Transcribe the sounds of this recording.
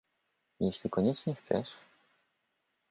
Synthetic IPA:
jeɕlʲikɔɲɛt͡ʂɲɛxt̪sɛ̰ʂ

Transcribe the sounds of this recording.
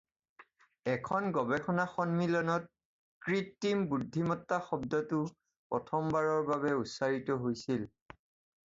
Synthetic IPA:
ɛkʰɔnɡɔbɛkʰɔnaxɔnmilɔnɔt̚ | kɹitːimbudʱːimɔtːaxɔbdɔtʊ | pɹɔtʰɔmbaɹɔɹbaβɛusaɹitɔɦojsil

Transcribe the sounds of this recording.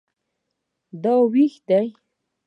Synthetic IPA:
d̪awixd̪aj

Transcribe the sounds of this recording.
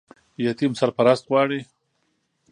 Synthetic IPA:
jat̪imsaɾpaɾast̪ɣwɑɽi

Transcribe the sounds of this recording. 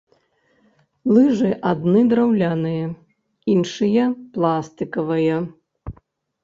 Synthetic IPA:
lˠɨʐɨʔad̪nɨd̪ɾawlʲanɨjɐ | inʂɨjɐplˠast̪ɨkɐvɐjɐ

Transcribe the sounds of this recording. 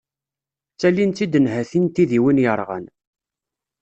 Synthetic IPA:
t͡sːælːint͡s̪ːid̪ənhæθint̪iðiwinjəɾˤʁə̰n

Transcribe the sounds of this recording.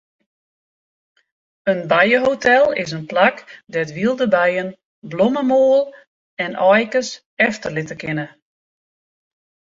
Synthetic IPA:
ənbajəɦowtʰɛlˠɪ̰sənplakdɛtʋilˠdəbɛjən | bloməmoːəlˠ | ɛnʔɔjkəs | ɛftərlɪtəkɪnə

